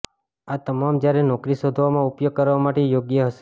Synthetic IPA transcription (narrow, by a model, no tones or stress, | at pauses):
at̪əmamd͡ʒjaɾenɔkɾisod̪ʱʋomãupjoɡ̚kəɾʋamaʈejoɡjəɦəʃe̥